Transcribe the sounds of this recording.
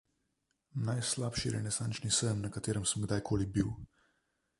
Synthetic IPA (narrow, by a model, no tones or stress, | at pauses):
najslaːpʃiɾɛ̰nɛsant͡ʃnisəmnɐkat̪eːɾəmsəmɡd̪ajkʰoːlibiw